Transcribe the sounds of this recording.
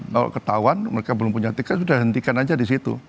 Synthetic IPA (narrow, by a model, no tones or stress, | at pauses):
ka̰la̰kət̪auwanməɾekabəlʊmpuɲat̪ikans̬udahɦənt̪ikanad͡ʒadis̬it̪ṵ